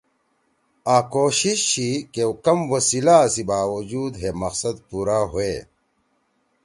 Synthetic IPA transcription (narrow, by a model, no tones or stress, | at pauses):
aːkoːɕiɕɕikewkɐmwɐsilasibaːwɐd͡ʑuːd̪ɦemɐqsɐd̪puːɾaːɦoeː